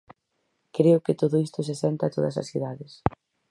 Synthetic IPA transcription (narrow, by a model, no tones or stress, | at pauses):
kɾeʊkɪt̪oðʊist̪ʊsesɛnt̪aːt̪oðɐ̰sɐ̰sθiðaðɪs